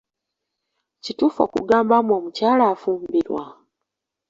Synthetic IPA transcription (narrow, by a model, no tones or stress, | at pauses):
cituːfo̞̰ːkṵɡaːmbamo̞ːmucaːlaːfuːmbiɾwa̰